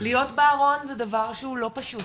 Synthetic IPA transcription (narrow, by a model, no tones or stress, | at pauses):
lijo̞tbeːʁo̞nzɛdavaʁʃehulo̞paʃut